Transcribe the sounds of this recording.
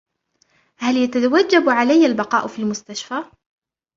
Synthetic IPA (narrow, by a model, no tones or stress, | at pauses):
haljat̪at̪awad͡ʒːabʕalajːalbɑqɑːʔfilmʊst̪aʃfa